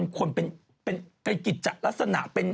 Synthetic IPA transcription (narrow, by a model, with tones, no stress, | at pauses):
nkʰu˧ənpe˧n | pe˧npe˧nki˨˩t̪̚t͡ɕa˨˩ʔla˦˥k̚sa˧na̰˨˩ʔpe˧n